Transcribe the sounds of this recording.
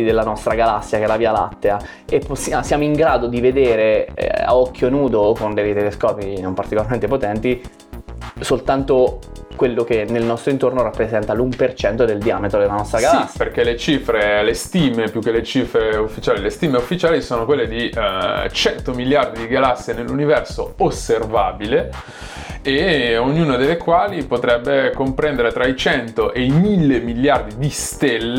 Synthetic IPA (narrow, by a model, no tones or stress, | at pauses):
id̪elːanɔst̪ɾaɡalasːjakeɛlaviːala̰t̪ːea | epːosːjasjaːmoiŋɡɾaːd̪od̪ived̪eːɾḛa̰ɔkʰːjonuːd̪okond̪eet̪eleskɔːpinompaɾrt̪ikolaɾrment̪epot̪ɛnt̪i | solt̪ant̪o | kwelːok̟enːelnɔst̪ɾoint̪ornoɾapːɾezɛnt̪alumpert͡ʃɛnt̪od̪eld̪iaːmet̪ɾod̪elːanɔst̪ɾaɡalassːjperk̟elet͡ʃifɾelest̪iːmepjuk̟ːelet͡ʃiːfɾeufːit͡ʃaːlilest̪iːmeufːit͡ʃaːlisoːnokwelːed̪i | t͡ʃɛnt̪omiljard̪id̪iɡalasːienelːunivɛrsoosːervaːbile | eoɲːuːnad̪elːekwaːlipot̪ɾɛbːekompɾɛnd̪eɾet̪ɾait͡ʃɛnt̪oʔejmilːemiljard̪id̪ist̪elː